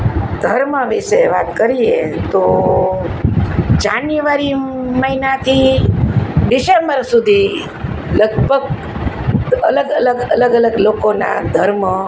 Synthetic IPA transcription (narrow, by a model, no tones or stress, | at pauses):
d̪̥ʱəɾməʋiseʋa̰t̪kəɾiet̪o | d͡ʒanjuʋaɾiməɦinat̪ʰi | ɖɪsembəɾsud̪ʱi | ləɡbʱəɡ | ələɡələɡələɡələɡlokona̰d̪ʱəɾmə